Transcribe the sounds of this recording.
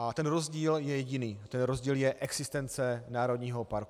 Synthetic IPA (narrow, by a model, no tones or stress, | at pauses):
ʔat̪ɛnɾozɟiːljɛjɛɟɪniːt̪ɛnɾozɟiːljɛʔɛɡz̥ɪst̪ɛnt͡sɛnaːɾo̞d̪ɲiːɦo̞paɾku